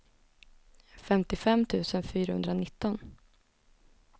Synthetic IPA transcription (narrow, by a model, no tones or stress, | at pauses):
fɛmt̪ɪfɛmːt̪ʰʉ̟ːsənfyːɾahɵ̰nd̪ɾanɪt̪ːɔn